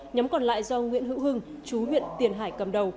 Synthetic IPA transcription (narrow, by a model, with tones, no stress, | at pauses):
ɲa˨˦mkɔ˨˩nla̰ː˧˨jzɔ˧ŋwḭ˧˥ənɦɨ̰˧˥wɦɨ˧ŋt͡ɕu˨˦vḭ˧˨ənt̪i˨˩ənɦaː˧˩jkə˨˩mɗə˨˩w